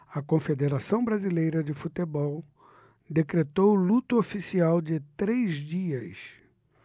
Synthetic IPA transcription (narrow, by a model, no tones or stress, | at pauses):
ɐkõfed̪eɾasɐ̃w̃bɾazilejɾɐd͡ʒɪfut̪ebɔw | d̪ekɾet̪owlut̪ʊofisiawd͡ʒɪt̪ɾezd͡ʒiɐs